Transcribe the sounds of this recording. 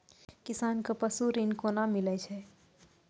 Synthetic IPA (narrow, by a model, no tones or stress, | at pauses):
kɪsaːnkapəsuɾɪnkonamːɪlɛt͡ʃʰɛ